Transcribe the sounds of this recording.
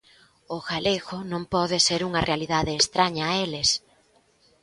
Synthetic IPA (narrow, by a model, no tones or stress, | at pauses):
ʊɣaleɣʊnõmpɔðɪseɾuŋɐrealiðaðeːst̪ɾaɲɐːelɪs